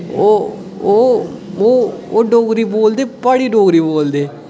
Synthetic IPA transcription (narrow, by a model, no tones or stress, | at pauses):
o | oooːɖoːɡɾiboːld̪eːpaɽiːɖoːɡɾiboːld̪eː